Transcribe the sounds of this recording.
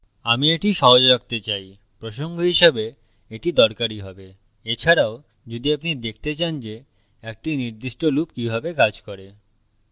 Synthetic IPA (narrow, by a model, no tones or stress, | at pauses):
amieʈiʃɔɦod͡ʑɾak̚t̪et͡ɕaj | pɾoʃoŋɡoɦiʃebe | eʈid̪ɔɾkaɾiɦɔbe | et͡ɕʰaɾao | d͡ʑod̪iapnid̪ek̚ʰt̪et͡ɕand͡ʑe | ɛk̚ʈiniɾd̪iʃʈolupkibʱabekad͡ʑkɔɾe